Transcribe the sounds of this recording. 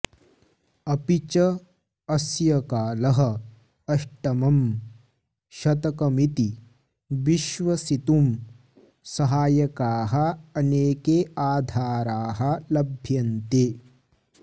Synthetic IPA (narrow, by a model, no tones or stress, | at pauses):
ɐpit͡ʃɐ | ɐsjɐkaːlɐɦɐ | ɐʂʈɐmɐm | ʃɐt̪ɐkɐmit̪i | ʋiʃʋɐsit̪um | sɐɦaːjɐkaːɦɐɐneːkeːaːd̪ʱaːɾaːɦɐlɐbʱjɐnt̪eː